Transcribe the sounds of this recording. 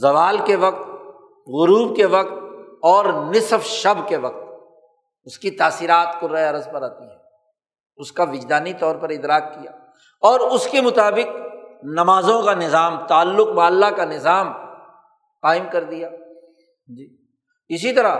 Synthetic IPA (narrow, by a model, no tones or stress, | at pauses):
zɐʋaːlkeʋɐqt̪ | ɣʊɾuːbkeʋɐq̚t̪̚ɔːɾnɪsfʃɐbkeʋɐq̚t̪ | ʊskit̪aːsiːɾaːt̪koɾɐɐɾəzpɐɾaːt̪iɦɛː | ʊskaʋɪd͡ʒd̪aːnit̪ɔːɾpɐɾɪd̪ɾaːkːijaː | ɔːɾʊskemʊt̪aːbɪqnɐmaːzõkanɪzaːmt̪aːlːʊq̚baːɐlːakanɪzaːm | qaːɪmkɐɾd̪ijaː | d͡ʒi | ɪs̬it̪ɐɾa